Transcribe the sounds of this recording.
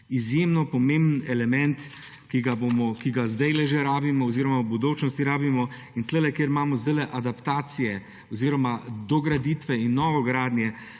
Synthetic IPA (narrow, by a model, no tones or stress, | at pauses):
izjemnɔpɔmẽmbnɛlɛmɛ̃nt̪ | kiɡabomɔkiɡazd̪ɛjlɛʒeɾaːbimɔːziːɾɔmawbud̪oːt͡ʃnɔst̪iɾaːbimɔ | int̪ləlɛkjeɾmaːmɔzd̪əlɛʔad̪apt̪aːt̪sijɛ | ɔziːɾɔmad̪ɔɡɾad̪iːt̪ʋɛinːɔːʋɔɡɾaːd̪njɛ